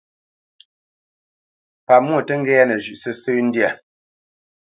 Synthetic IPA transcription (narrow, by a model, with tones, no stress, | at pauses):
pa˨mwo˦˨tə˦ŋ̩˦ɡɛ˦a˦nɛ˨ʒʉ˨ʔsə˦sə˦n̩˦dja˨